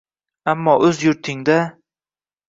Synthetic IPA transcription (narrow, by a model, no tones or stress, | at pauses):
amːɒʔɵzjʊɾt̪ʰɪŋd̪a